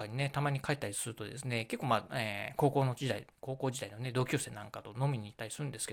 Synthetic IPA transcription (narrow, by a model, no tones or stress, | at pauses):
aɲ̟ine̞t̪amaɲ̟ikait̪ːaɾʲisɨɾɯ̟t̪od̪e̞sɨne̞ke̞kːoːmaeko̞ːko̞ːnod͡ʑid̪aḭko̞ːko̞ːʑid̪aino̞ne̞d̪o̞ːkʲoːse̞ːnãŋkat̪o̞no̞mʲiɲ̟iːt̪ːaɾʲisɨɾɯ̃nd̪eske̥